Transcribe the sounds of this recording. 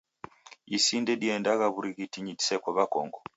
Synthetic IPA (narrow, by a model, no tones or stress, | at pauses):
isindɛdiɛndaɣaβuɾiɣitiɲidi̥sɛkɔβakɔ̰ŋɡɔ